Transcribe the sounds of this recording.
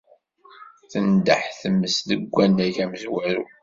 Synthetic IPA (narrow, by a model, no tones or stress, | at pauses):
θənd̪əħθəmːəsðəɡʷːænːæʝæməzwæɾṵ